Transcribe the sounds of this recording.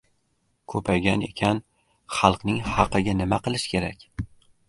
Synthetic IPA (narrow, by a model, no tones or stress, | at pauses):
kʰɵpʰajɡʲane̞̰kʲʰan | χɑlˠqnɪŋhɑqɨɡʲanɪmaqɨlˠɪʃkʲʰe̞ɾakʲ